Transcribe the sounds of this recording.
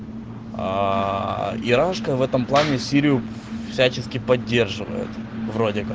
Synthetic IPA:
a̰ | ɪɾaʂkəvɛt̪əmplˠanʲɪsʲiɾʲɪjʊ | fsʲæt͡ɕɪskʲɪpɐdʲːe̞rʐɨvə̰jɪ̰t̪vɾo̞dʲɪk

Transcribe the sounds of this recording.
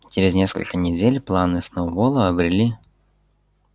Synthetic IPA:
t͡ɕɪɾʲɪznʲeskə̰lʲkənʲɪdʲelʲplˠanɨsnobolˠəɐbɾʲɪlʲi

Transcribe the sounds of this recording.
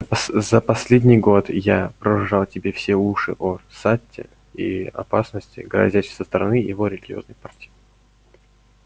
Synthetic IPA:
zəpɐsʲlʲedʲnʲɪjɡo̞t̪japɾəʐɨʐɑlˠtʲɪbʲe̞fsʲeuʂɨʔosatʲːɪ̰ | ḭɐ̰pasnəsʲtʲɪ̰ɡɾɐ̰zʲætʲsəst̪əɾɐnɨjɪ̰vo̞ɾʲɪlʲɪɡʲɪo̞̰znəjpartʲij

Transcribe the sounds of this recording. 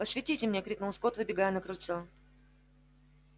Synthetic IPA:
pəsvʲɪtʲitʲɪmnʲekɾʲiknəskot̪vɨbʲɪɡajʊnəkɾʊlʲt̪so

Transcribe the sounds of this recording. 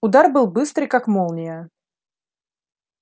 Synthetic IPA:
ʊd̪arbɨlˠbɨst̪ɾɨjkakmolˠnʲɪjə

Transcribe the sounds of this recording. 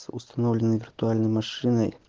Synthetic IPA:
sust̪ɐnovlʲɪnɨjvʲɪrt̪ualʲnəjmɐʂɨnəj

